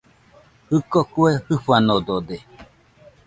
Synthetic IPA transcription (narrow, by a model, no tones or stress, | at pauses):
hɨkokuehɨɸanod̪od̪e